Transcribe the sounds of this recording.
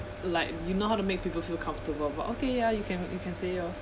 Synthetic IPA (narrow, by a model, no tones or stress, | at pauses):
laɪk̚junohaʊtumek̚pipəlfilˠkʰãɱftəbəlba̰tʔokʰejajukʰɛ̃njukʰɛ̃nseɔ